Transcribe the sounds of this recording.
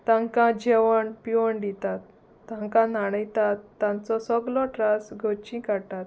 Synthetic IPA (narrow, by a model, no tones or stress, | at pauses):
t̪ãŋkãd͡ʑeʋəɳpiʋəɳɖ̪it̪at̪ː | ãŋkãnaɽ̃əjt̪at̪ːãnt͡sɔsɔɡlɔʈɾasɡʱot͡ɕĩkaɽt̪at̪